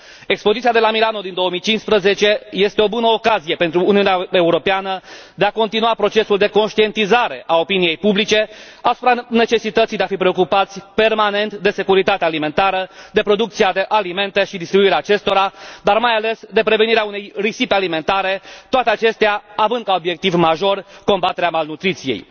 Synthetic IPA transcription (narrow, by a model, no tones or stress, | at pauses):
e̞kspo̞zit̪sijad̪e̞lamilano̞d̪ind̪o̞əmijt͡ʃinspɾəze̞t͡ʃe̞je̞st̪e̞o̞bunəokazije̞pe̞nt̪ɾuːniuneae̞uɾo̞peanəd̪e̞ako̞nt̪inuapɾo̞t͡ʃe̞suld̪e̞ko̞nʃt̪ie̞nt̪izaɾe̞ʔao̞pinije̞jpublit͡ʃe̞ | asupɾane̞t͡ʃe̞sit̪ət̪sijd̪eafipɾe̞o̞kupat̪sʲpe̞rmane̞nt̪d̪e̞se̞kuɾit̪at̪ealime̞nt̪aɾəd̪e̞pɾo̞d̪uk̚t̪sijad̪e̞ʔalime̞nt̪e̞ʃid̪ist̪ɾibuiɾeaːt͡ʃe̞st̪o̞ɾad̪armajale̞sd̪e̞pɾe̞veniɾeaunejrisipealime̞nt̪aɾe̞t̪oat̪eat͡ʃe̞st̪eaavɨnd̪̚kao̞bje̞k̚t̪ivmaʒo̞rko̞mbat̪e̞ɾeamalnut̪ɾit̪sijej